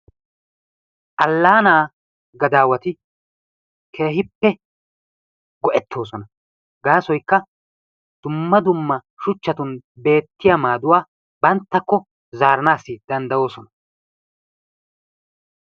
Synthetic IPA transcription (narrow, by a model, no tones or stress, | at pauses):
ʔɐlːaːnaː | ɡɐd̪aːwɐt̪ɪ | kʰe̞ːɦɪpːɛ | ɡɔʔɛt̪ʰːo̞ːsɔnɐ | ɡaːsɔjkːɐ | d̪̥ʊmːɐd̪ʊmːɐ | ʃʊt͡ʃːɐt̪ʊnbe̞ːt̪ːɪjɐmaːd̪ʊwaː | bɐnt̪ːɐkːɔ | zaːɾɐnaːsːɪd̪ɐnd̪ɐo̞ːsɔnɐ